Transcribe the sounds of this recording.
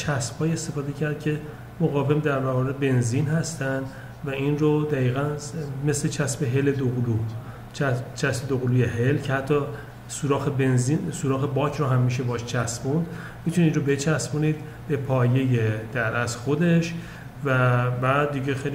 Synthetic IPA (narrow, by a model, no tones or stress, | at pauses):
t͡ʃʰæsb̥hɒːje̞st̪e̞fɒːd̪e̞cʰæɾd̪̥̚cʲʰe̞ | moɣɒːve̞md̪æɾbæɣɒeɾbe̞nzinhæst̪ænd̪ | væinrod̪æiːɣænme̞sle̞t͡ʃʰæsbeɦe̞led̪oɣlu | t͡ʃt͡ʃʰæsbed̪oɣluːjehelcʰe̞hæt̪ʰːɒː | suːɾɒːxebenzinsuːɾɒːxebɒːkʰɾoɦæmːiʃ̬e̞bɒʃt͡ʃʰæsbund̪ | mit̪ʰunid̪ɾobe̞t͡ʃʰæsbuniːd̪ | be̞pʰɒːje̞jed̪̥æɾæzxod̪e̞ʃ | væbædd̪iɟexejl